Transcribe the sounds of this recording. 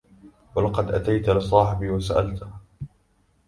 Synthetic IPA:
walɑqɑd̪ʔat̪ajt̪lɪsˤɑːħɪbiːwasaʔalt̪

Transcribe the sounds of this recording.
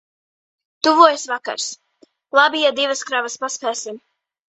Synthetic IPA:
t̪uvuɔjsvaka̰ɾs | lˠabijad̪ivaskɾavaspaspɛːsim

